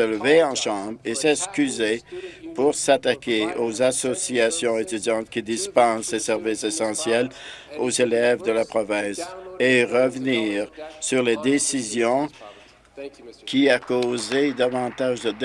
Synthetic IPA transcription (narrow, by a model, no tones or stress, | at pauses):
ələveɑ̃ʃɑ̃bʁesɛskʲyzepuʁsat̪akʲeozasɔsiasjɔ̃et̪yd̪jɑ̃t̪̚kʲid̪ispɑ̃ssesɛʁvisesɑ̃sjɛl | ozelɛvd̪əlapχɔvɛ̃ːseʁəvniːʁsyʁled̪esizjɔ̃ | kʲiakozed̪avɑ̃t̪aʒd̪əd̪